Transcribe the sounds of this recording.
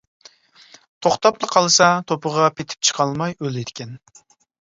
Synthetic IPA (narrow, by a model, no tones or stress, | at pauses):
t̪ʰoχt̪ɑplˠəqʰɑlˠɨsɑt̪ʰopʰəʁɑpʰet̪ʰɪ̥p̚t͡ʃʰə̥qʰɑlˠmɑjøled̪ɪkʲʰɛn